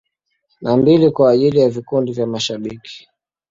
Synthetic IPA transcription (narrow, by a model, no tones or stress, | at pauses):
nambilikwaːʄilijavikundivjamaʃaɓiki̥